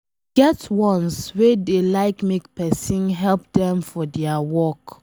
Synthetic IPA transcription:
ɡ̥ɛtwɔ̃nswedelaɪkmekpɛsĩnɦɛlp̚dɛ̃mfɔdɛawɔk

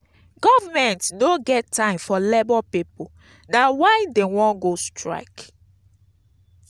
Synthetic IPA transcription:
ɡ̥ɔvamɛ̃ntnoɡɛtːãɪ̃mfɔlebɔpipo | dawaɪdewɔ̃nɡostʰɹa̰ɪk

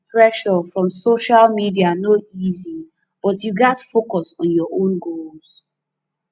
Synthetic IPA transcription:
pʰɹɛʃɔfɹɔ̃msoʃalmidianoizi | b̥ɔtjuɡɛtfokɔsɔ̃njɔʔõnɡols

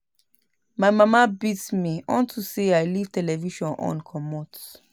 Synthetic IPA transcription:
maɪmamabitmiɔ̃ntʰuseaɪliv̥tʰɛlɛviʃɔ̃nɔ̰̃nkʰɔmɔt

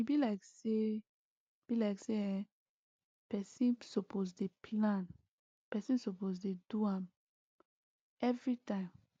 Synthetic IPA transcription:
ibilaɪkse | b̥ilaɪkseɛ | pɛsĩnsopozdepʰlãn | pɛsĩnsopozteduãm | ɛvɹitãɪ̃m

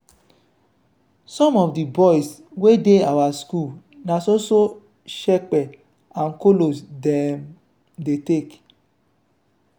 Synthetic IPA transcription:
sɔ̃mɔfdibɔjswedeawasku | nãsoso | ʃɛk͡pɛ | ãnkolosdɛm | detek

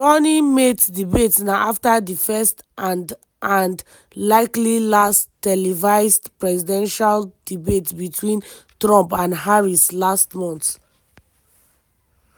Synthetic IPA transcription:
ɔnimetdibetsnaʔaftadifɛst | ãnd | ʔãnd | laɪklilasttɛlivaɪstpɹɛsidɛ̃nʃald̥ibetbitʰwĩn | tɹɔ̃mpãndɦaɹislastmɔ̃nt

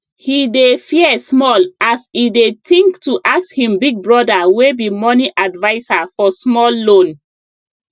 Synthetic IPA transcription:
hidefiɛsmɔlasidetĩŋktuʔakshĩmbiɡ̚bɹɔdawebimɔniʔadvaɪsafɔsmɔlːõn

